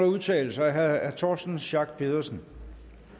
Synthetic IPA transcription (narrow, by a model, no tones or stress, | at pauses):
lɐuðˠt͡sʰɛ̰ːl̩sɑɪɦæðæt͡sʰɒːsd̥n̩ɕɑ̈ɡ̥̚pʰe̝ð̞ˠɐsn